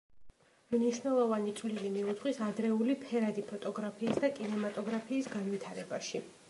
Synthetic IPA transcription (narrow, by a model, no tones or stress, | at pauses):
mniʃwnɛlˠɔvanit̪sʼvlilimiut̪ʰχʼwisad̪ɾɛulipʰɛɾad̪ipʰɔt̪ʼɔɡɾapʰiːsd̪akʼinɛmat̪ʼɔɡɾapʰiːsɡanvit̪ʰaɾɛbaʃi